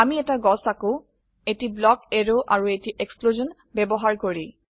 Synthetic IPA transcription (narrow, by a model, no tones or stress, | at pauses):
amiɛtaɡɔsako | etiblɔkeɹoʔaɹuetiʔekspluzɔn | bɛbɔɦaɹkoɹi